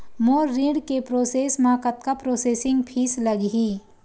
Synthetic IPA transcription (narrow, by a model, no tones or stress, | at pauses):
moːɾːiɽkepɾoːseːsmãːkət̪kapɾoːseːsɪ̃ŋɡpʰiːsləɡɦiː